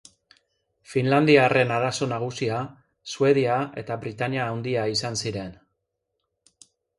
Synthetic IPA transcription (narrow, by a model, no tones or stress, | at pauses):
finland̪iare̞naɾaso̞naɣ̞usia | sue̞ðiae̞̰t̪aβɾit̪aɲiaːwnd̪iaisansiɾe̞n